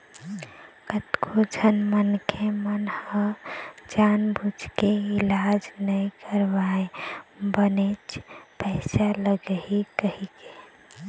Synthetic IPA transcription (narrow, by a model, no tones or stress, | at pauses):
kət̪kʰod͡ʒʱənmənkʰemənhəd͡ʒanbʱud͡ʒʱkeɪlad͡ʒnəikʰəɾbaebənet͡ʃʰpəɪsaləɡəɦikəɦike